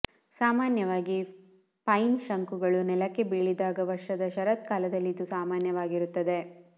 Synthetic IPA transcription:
saːmaːnjɐʋaːɡi | pɐjnʃɐŋkuɡɐɭunɛlɐkːe̞biːɭid̪aːɡɐʋɐɾʂɐd̪ɐʃɐɾɐt̪kaːlɐd̪ɐlːid̪usaːmaːnjɐʋaːɡiɾut̪ːɐd̪e̞

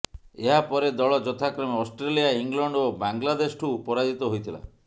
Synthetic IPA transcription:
eɦapɔɾed̪ɔɭɔd͡ʒɔt̪ʰakɾɔmeɔsʈɾelijaiŋɡlɔɳɖobaŋɡlad̪esʈʰupɔɾad͡ʒit̪ɔɦojt̪ʰila̰

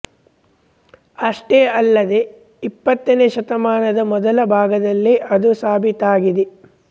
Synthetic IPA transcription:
ɐʂʈeːɐlːɐd̪e | ipːɐt̪ːɐneːʃɐt̪ɐmaːnɐd̪ɐmɔd̪ɐlɐbʱaːɡɐd̪ɐlːeʔɐd̪usaːbʱit̪aːɡid̪e

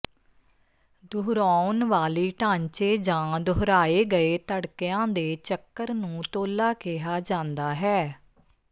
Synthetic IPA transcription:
d̪ʊɦɾaːnʋaːliːʈãːɲt͡ʃeːd͡ʒãːd̪oɦɾaːeːɡəeːt̪əɽkɪjãːd̪eːt͡ʃəkːəɾnũːt̪oːlaːkeɦaːd͡ʒãːnd̪aːɦɛː

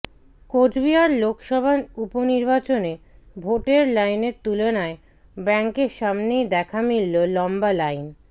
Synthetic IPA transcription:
kod͡ʑbiaɾlokʃɔbʱanuponiɾbat͡ɕone | bʱoʈeɾlajneɾt̪ulonae | bɛŋkeɾʃamnejd̪ɛkʰamilːolɔmbalajn

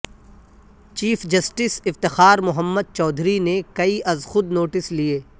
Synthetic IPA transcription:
t͡ʃiːfʰd͡ʒɐsʈɪsɪft̪ɪxaːɾmʊɦəmːəd̪̚t͡ʃɔːd̪ʱɾinekɐiʔɐzxʊd̪noːʈɪslieː

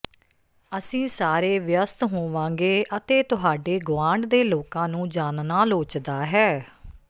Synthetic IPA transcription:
əsĩːsaːɾeːʋjəst̪ɦoːʋãːŋɡeːʔət̪eːt̪ʊɦaːɖeːɡʊʋãːɳɖd̪eːloːkãːnũːd͡ʒaːnnaːloːt͡ʃd̪aːɦɛː

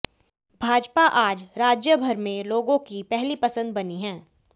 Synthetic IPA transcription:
bʱaːd͡ʒpaʔaːd͡ʒɾaːd͡ʒjəbʱɐɾmẽloːɡõkipɛɦlipɐsə̃nd̪̚bɐniɦɛ̃ː

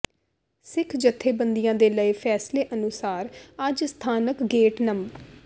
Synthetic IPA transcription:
sɪkʰd͡ʒət̪ʰːeːbənd̪ijãːd̪eːləiːpʰɛːsleːʔənʊsaːɾad͡ʒst̪ʰaːnəkɡeːʈnəm

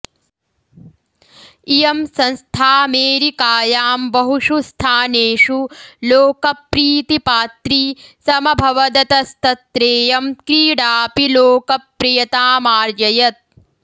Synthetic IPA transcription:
ijɐmsɐnst̪ʰaːmeːɾikaːjaːmbɐɦuʂust̪ʰaːneːʂuloːkɐpɾiːt̪ipaːt̪ɾisɐmɐbʱɐʋɐd̪ɐt̪ɐst̪ɐt̪ɾeːjɐmkɾiːɽaːpiloːkɐpɾijɐt̪aːmaːɾd͡ʒɐjɐt̪̚

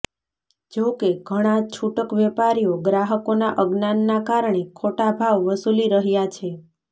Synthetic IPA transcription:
d͡ʒokeɡʱəɽ̃at͡ʃʰuʈəkʋɛpaɾijoɡɾaɦəkonaʔəɡnanːakaɾɳ̃ekʰoʈabʱaʋːəsuliɾəɦjat͡ʃʰe

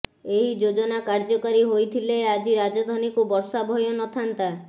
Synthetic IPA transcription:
eɦid͡ʒod͡ʒɔnakaɾd͡ʒɔkaɾiɦojt̪ʰilead͡ʒiɾad͡ʒad̪ʱɔnikubɔɾsabʱɔjɔnɔt̪ʰant̪a

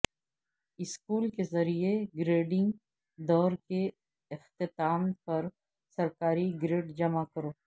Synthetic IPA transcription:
ɪskuːlkezɐɾieɡɾeːɖɪ̃ŋɡ | d̪ɔːɾke | ɪxt̪ɪt̪aːmpɐɾ | sɐɾkaːɾiɡɾeːʈd͡ʒɐmakəɾoː

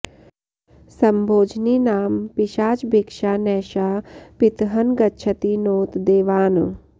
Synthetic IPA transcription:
sɐmbʱoːd͡ʒniːnaːmpɪʃaːt͡ʃbikʃaːnɛːʃaːpɪt̪ɦɐnɡɐtːʃʰɐt̪inoːt̪d̪eːʋaːn̰

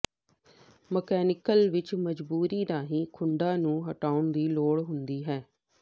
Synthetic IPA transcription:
məkɛːnɪkəlʋɪt͡ʃməd͡ʒbuːɾiːd̪aːɦĩːkʰʊɳɖãːnũːɦəʈaːʊɳd̪iːloːɽɦʊnd̪iːɦɛː

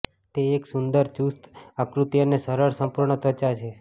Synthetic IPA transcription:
t̪eːksund̪əɾd͡ʒust̪akɾut̪ijənesəɾəɾsəmpuɾɳət̪ʰət͡ʃat͡ʃʰe

